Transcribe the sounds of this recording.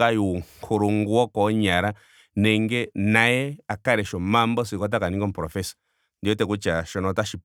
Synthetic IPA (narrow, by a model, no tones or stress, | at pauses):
ajukʰuɾuŋɡuwɔkɔɲaɾa | nɛŋɡɛnajɛakaɾɛʃɔmambɔs̬ikɔt̬akaniŋɡɔm̩pɾɔfɛsḁ | ndiɔtɛkut͡ʃaʃɔnɔtaʃi